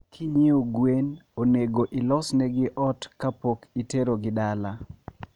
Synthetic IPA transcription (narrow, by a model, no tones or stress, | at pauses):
kʰiɲioɡwenoneɡoʔɪlɔsnɛɡɪʔɔtkapokiteɾoɡɪdala